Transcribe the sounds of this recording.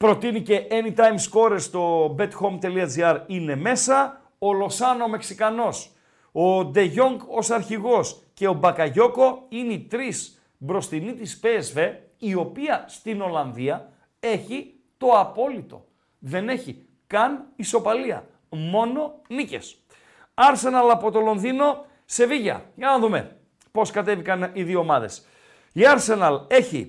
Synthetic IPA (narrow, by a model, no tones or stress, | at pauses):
pɾo̞t̪inice̞ʔenit̪ɐjmsko̞ɾest̪o̞be̞t̪xo̞mt̪e̞liɐd͡ziɐɾine̞me̞sɐ | olo̞sɐno̞me̞ksikɐno̞s | od̪e̞ʝo̞ŋɡo̞sɐɾçiɣo̞s | ce̞o̞bɐkɐʝo̞ko̞init̪ɾis | bɾo̞st̪init̪ispeːzve̞ | io̞piɐst̪ino̞lɐnðiɐ | e̞çi | t̪o̞ɐpo̞lit̪o̞̰ | ðe̞ne̞çi | kɐniso̞pɐliɐ̰ | mo̞no̞nice̞̰s | ɐɾse̞nɐlɐpo̞t̪o̞lo̞nðino̞ | se̞viʝɐ̰ʝɐnɐðume̞̰ | po̞skɐt̪e̞vikɐniðiomɐðe̞s | iɐɾse̞nɐle̞çḭ